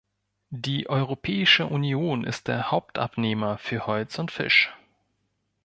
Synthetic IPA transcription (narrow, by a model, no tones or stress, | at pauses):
diːʔɔʏʁopʰɛːɪʃəʔunijoːnɪ̰st̚d̥ḛːɐhaʊp̚tʰʔa̰pneːmɐfyːɐhɔlt͡sʊntfɪ̰ʃ